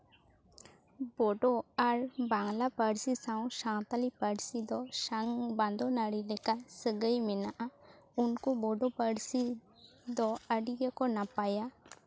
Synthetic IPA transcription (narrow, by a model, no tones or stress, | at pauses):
bɔɖɔaɾbaŋlapəɽsisaw̃ʃãŋt̪alipəɽsid̪ɔʃaŋband̪ɔnaɽilɛkasəɡəjmɛnaʔa | unkubɔɖɔpəɽsi | d̪ɔəɖiɡəkɔnapaja